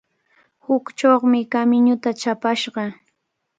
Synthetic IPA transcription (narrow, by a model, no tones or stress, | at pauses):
hʊkt͡ʃoχmɪkamɪɲʊt̪at͡ʃapaʃɢɑ